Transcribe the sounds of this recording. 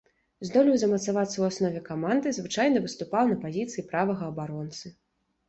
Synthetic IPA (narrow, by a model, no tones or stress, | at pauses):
zd̪ɔlʲijwzɐmɐt̪savat̪sːɐwasnɔvʲɛkamand̪ɨzvɨt͡ʂajnɐvɨst̪upawnɐpazʲit̪sɨjipɾavɐɣɐːbaɾɔnt̪sɨ